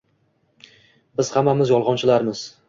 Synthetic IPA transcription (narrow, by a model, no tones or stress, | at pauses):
bɪz̥hamːamɪzjɒlˠʁɒnt͡ʃʰɪlaɾmɪz̥